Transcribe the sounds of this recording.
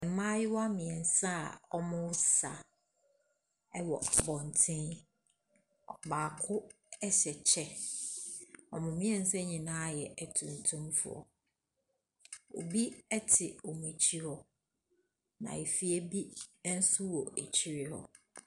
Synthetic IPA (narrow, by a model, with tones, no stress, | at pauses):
ɛ̃˨m̩˨mã˦jɪ˦wa˦mɪ̃˨ɛ˨n̩˨sa˦˨ɔ˦mʊ̃˦sa̰˨ | ɛ˦wɔ̰˨a˨bɔ̃˨n˨tʰɪ̃˦n | ɔ˨baː˨kʰʊ˦ | ɛ˦ɕɛ˨t͡ɕʰɛ˦ | ɔ˨mʊ̃˨mɪ̃˦ɛ˨n̩˨sɛ̃˦ɲɪ̃˨nã˦jɛ˨ɛ˨tʰũ˨n˨tʰũ˦mfʊ̰˦˨ɔ̰˨ | o̰˨bi˦ɛ˦tʰɪ˨o˨m˨ɛ˨t͡ɕʰi˦hɔ˦ | nã̰˨e˨fi˦ɛ˦bi˦n̩˦sʊ˦wɔ˨æ˨t͡ɕʰi˦ɾɪ˦hɔ̰˦